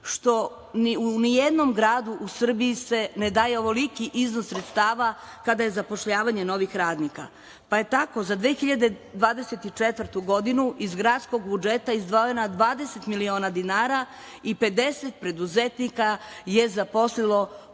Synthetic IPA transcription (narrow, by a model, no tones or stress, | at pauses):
ʃt̪o̞ | unijed̪no̞mɡɾaːd̪uʔusr̩biise̞ned̪aːjeo̞ʋolikiʔiznosːɾet̪st̪aːʋa | kad̪aje̞zapo̞ʃʎaːʋaɲe̞no̞ʋixɾaːd̪nika̰ | paje̞t̪ako̞zad̪ʋeːxiʎad̪e̞d̪ʋaːd̪eset̪it͡ʃet̪ʋr̩t̪uɡo̞d̪inuʔizɡɾaːt̪sko̞ɡbud͡ʒet̪aizd̪ʋo̞jenad̪ʋaːd̪eset̪milio̞ːnad̪inaːɾa | ipe̞d̪e̞set̪̚pɾe̞d̪uzet̪nikaje̞zapo̞slilˠo̞